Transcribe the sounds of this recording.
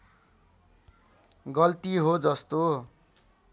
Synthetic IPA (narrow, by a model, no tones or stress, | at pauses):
ɡʌlt̪iɦod͡zʌst̪o